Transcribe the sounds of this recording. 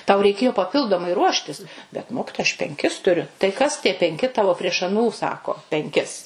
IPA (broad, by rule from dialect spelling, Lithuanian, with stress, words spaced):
tɐʊ rʲɛɪˈkʲeːjoː pɐˈpʲɪlˠdoːmɐɪ ˈruɔʃʲtʲɪs bʲɛt ˈmoːkʲɪtoːjɛ ɐʃ pʲɛŋʲˈkʲɪs tʊˈrʲʊ tɐɪ ˈkɐs tʲiɛ pʲɛŋʲˈkʲɪ ˈtɑːʋoː pʲrʲiɛʃ ɐˈnuː ˈsɑːkoː pʲɛŋʲˈkʲɪs